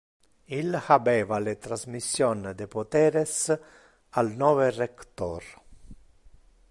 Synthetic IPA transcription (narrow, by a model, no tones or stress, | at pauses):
ilhabeːvalet̪ɾazmisːjond̪epot̪ɛːɾes | alnɔːverekt̪or